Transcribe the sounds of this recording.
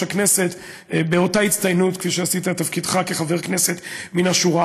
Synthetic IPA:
akne̞se̞t̪ | beo̞tait͡st̪ajnutkfiʃeasit̪at̪afkid̪χake̞χave̞ʁkne̞se̞t̪minaʃuʁa

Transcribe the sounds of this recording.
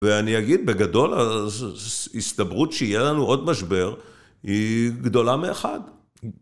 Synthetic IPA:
veaniaɡid̪̚be̞ɡado̞la | ist̪ɐbʁutʃeijelanuʔo̞dmaʃbe̞ʁ | hiɡd̪o̞lameːχa̰d

